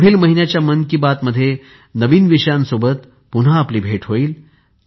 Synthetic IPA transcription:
bʱiːlməɦinjat͡ɕjamənkibat̪məd̪ʱːje | nəʋiːnʋiʂəjãnsobət̪ | punɦaːpliːbʱeʈɦoiːl

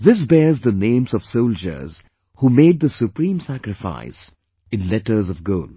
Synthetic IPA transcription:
ðɪs̬bɛːzðənẽːmzɔv̥soʊld͡ʒə̰˞z̥ | humeːd̪̚d̪əsupɾĩːmsækɾɪfa̰ɪs | ɪ̃nlɛʈə˞zɔvɡoːl

